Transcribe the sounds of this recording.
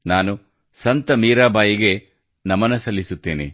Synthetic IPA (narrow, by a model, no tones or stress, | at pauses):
naːnu | sɐnt̪ɐmiːɾaːbaːjiɡe̞ | nɐmɐnɐsɐlːisut̪ːeːnḭ